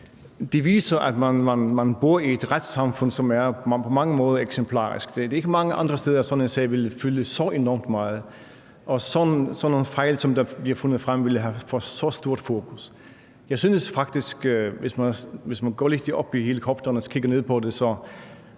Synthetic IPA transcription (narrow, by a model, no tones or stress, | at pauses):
d̥e̝ʋiːsɐʔæd̥mænmænmænb̥oɐ̰ied̥ʁad̥sɑ̈mfɔ̽n̰sɒ̽mæɐpʰɒ̽mɑ̈ŋəmɔ̽ːð̞ˠɐeɡ̥sempʰlɑ̰̈ːʁḭsɡ̥d̥ed̥eɐe̝ɡ̥əmɑ̈ŋəʔɑ̈nd̥ʁɐsteːðˠɐsɒ̽nensɛ̰ʋe̝lfyləsɒ̽ʔe̝nɔmd̥mɑ̈ːð̩ˠ | ʔɒ̽sɒnsɒnonfɑɪ̰lsɒ̽md̥ɑb̥liɐfo̽nð̩ˠfʁam̰ʋe̝lɦæfɒsɒ̽sd̥o̝ɐ̰d̥fo̝ːkʰus | jɑ̈ɪsynəsfɑ̈ɡ̥d̥isɡ̥ʋe̝smænʋe̝smænɡ̥ɒ̰ːled̥iʔɒ̽b̥ihe̝ːləkʰɒb̥d̥ɐnəskʰiɡ̥ɐne̝ð̰ˠpʰɒ̽de̝sɒ